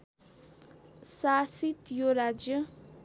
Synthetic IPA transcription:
sasit̪joɾad͡ʒjʌ

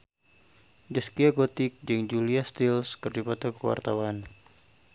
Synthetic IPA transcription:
d͡ʒaskiaɡot̪ɪk̚d͡ʒɨŋd͡ʒuliast̪ilskərd͡ʒupat̪akəwa̰rt̪awan

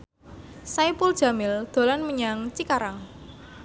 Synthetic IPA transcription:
saipuld̥ʒ̥a̤mɪld̪̥o̤lanməɲaŋt͡ʃikaɾaŋ

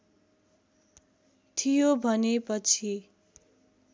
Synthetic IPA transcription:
t̪ʰijobʱʌnepʌt͡sʰi

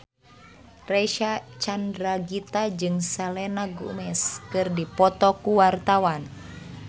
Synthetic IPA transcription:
rɛʃat͡ʃandɾaɡit̪ad͡ʒɨŋsalɛnaɡṵmɛskɨrdipɔt̪ɔkuwart̪awan

